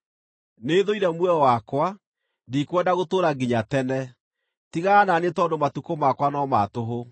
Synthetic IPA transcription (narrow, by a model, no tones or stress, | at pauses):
neːðoiɾɛmwɛɔwakwa | dikwɛndaɣotoːɾaɡiɲatɛnɛ | tiɣaːnanetɔndomatukomakwanɔmatoɦo